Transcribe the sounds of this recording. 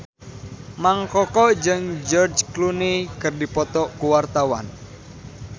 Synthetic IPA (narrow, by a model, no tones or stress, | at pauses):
maŋkɔkɔd͡ʒɨŋd͡ʒɔrd͡ʒklunikɨrdipɔt̪ɔkuwart̪awa̰n